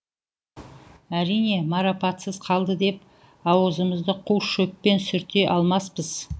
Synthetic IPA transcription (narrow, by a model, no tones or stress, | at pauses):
æɾijne̞mɑɾapɑt̪səzqʰɑlˠd̪əd̪e̞p̚ | ɑwəzəməzd̪əqʰuwʃɵk̚pe̞nsʏɾt̪e̞ʔɑlˠmɑspəz̥